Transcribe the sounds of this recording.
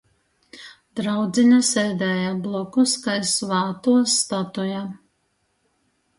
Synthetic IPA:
d̪ɾawd̪zʲiɲasɛːd̪ɛːjablˠɔkuskajsvɑːt̪uɔsːt̪at̪uja

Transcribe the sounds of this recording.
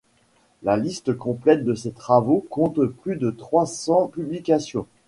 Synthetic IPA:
lalist̪əkɔ̃plɛt̪̚d̪əset̪χavokɔ̃t̪plyd̪ət̪χwasɑ̃pyblikʲasjɔ̃

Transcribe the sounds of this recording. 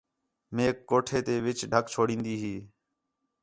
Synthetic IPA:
meːkːoːʈʰeːt̪eːʋɪt͡ʃɖʱəkt͡ʃʰoːɽĩːnd̪iːɦiː

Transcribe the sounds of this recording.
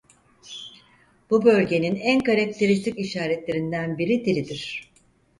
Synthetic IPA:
b̥ubø̞lʲɟe̞ninænkaɾak̚t̪ʰe̞ɾist̪ʰikiʃaːɾɛt̪lʲe̞ɾind̪ænbiɾid̪iɾid̪iɾ̝̥

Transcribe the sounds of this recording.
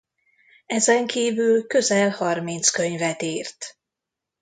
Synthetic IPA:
ɛzɛŋkiːvylkø̞zɛlhɒrmint̪skø̞ɲvɛt̪iːrt̪

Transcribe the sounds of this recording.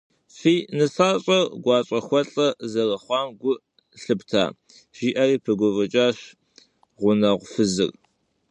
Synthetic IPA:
fiːnɨsaːɕʼɐrɡʷɑːɕʼɐxʷɔɬʼɐzɐrɐχʷɑːmɡʷʊ | ɬɨptʰa̰ː | ʒ̥iːʔɐriːpʰɨɡʷʊvɐt͡ʃʼaːɕ | ʁʷʊnɐʁʷfɨzɨ̰r

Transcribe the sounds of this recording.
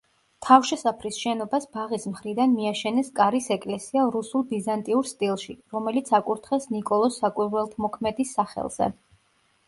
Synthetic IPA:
t̪ʰafʃɛsapʰɾisʃɛnɔbasbaʁismχɾid̪anmiaʃɛnɛskʼaɾisɛkʼlɛsiaɾusulˠbizant̪ʼiuɾst̪ʼilˠʃiɾɔmɛlit̪sʰakʼuɾt̪ʰχɛsnikʼɔlˠɔsːakʼwiɾwɛlˠt̪ʰmɔkʰmɛd̪isːaχɛ̰lˠz̥ɛ̰

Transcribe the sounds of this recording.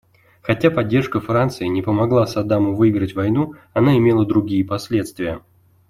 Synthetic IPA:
xɐtʲapɐdʲːe̞rʂkəfɾant̪sɨɪnʲɪpəmɐɡlˠasɐd̪amʊvɨɪɡɾətʲvɐjnuɐnaɪmʲelˠəd̪ɾʊɡʲijəpɐsʲlʲe̞t̪st̪vʲɪjə

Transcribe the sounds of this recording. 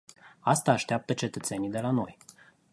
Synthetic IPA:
ast̪aːʃt̪eap̚t̪ət͡ʃe̞t̪ət̪se̞nid̪e̞lano̞̰j

